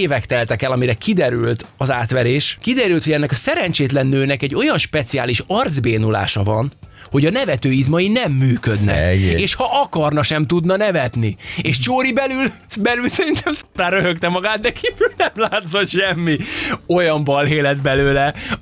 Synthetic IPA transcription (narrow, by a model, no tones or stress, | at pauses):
eːvɛkt̪ɛlt̪ɛkɛlɒmiɾɛkid̪ɛɾylt̪ɒzaːt̪ʋɛɾeːʃkid̪ɛɾylt̪ho̞ɟɛnːɛkɒsɛɾɛnt͡ʃeːt̪lɛnːøːnɛkɛɟːo̞jɒnʃpɛt̪siaːliʃɒrd̪zbeːnula̰ːʃɒvɒn | ho̞ɟɒnɛvɛt̪øːizmɒjinɛmːyːkød̪nɛ̰eːʃhɒʔɒkɒrnɒʃɛmt̪ud̪nɒnɛvɛt̪nieːʃt͡ʃoːɾibɛlyl | bɛlylsɛɾint̪ɛmsraːɾøɦøkt̪ɛmɒɡaːt̪̚d̪ɛkʰiːvylnɛmlaːt̪so̞t̪ʃɛmːio̞jɒmbɒlɦeːlɛd̪bɛløːlɛ